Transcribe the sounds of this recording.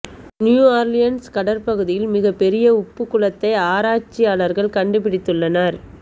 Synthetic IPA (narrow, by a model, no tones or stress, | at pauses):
njuːaːɾlɪjɐnskɐɽɐɾpɐɣɯðɪjɪlmɪɣɐpːɛɾɪjɐʊpːɯkːɯɭɐt̪ːɐɪaːɾaːt͡ʃːɪjaːlɐɾɣɐɭkɐɳɖɯpɪɽɪt̪ːɯɭːɐnaɾ